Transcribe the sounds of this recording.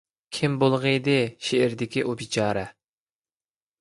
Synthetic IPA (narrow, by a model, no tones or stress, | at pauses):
kʲʰimbolˠʁəd̪ɨʃeɪɾd̪ɪkʲiʔubit͡ʃʰɑːɾɛ